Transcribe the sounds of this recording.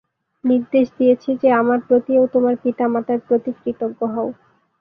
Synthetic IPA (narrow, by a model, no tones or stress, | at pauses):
niɾd̪eʃd̪ijet͡ɕʰid͡ʑeamaɾpɾot̪iewt̪omaɾpit̪amat̪aɾpɾot̪ikɾit̪obːoɦɔo